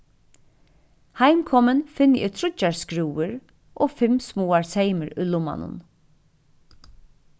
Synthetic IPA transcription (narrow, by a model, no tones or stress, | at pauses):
haɪmkʰɔmənfɪnɪʔɪɾt̪ʰɾʊt͡ʃaɹskɾuːəɾ | ʔoːfɪmsmuːaɹseɪməɾʊlʊma̰nʊ̰n